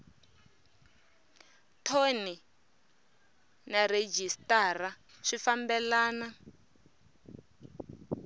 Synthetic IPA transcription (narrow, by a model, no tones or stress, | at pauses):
tʰoni | naɾed͡ʒistara | ʂifambɛlaːna